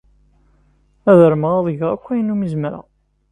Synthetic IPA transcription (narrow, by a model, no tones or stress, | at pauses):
æðəɾməʁɑðˤəʝəʁækʷːæjənːumizməɾa̰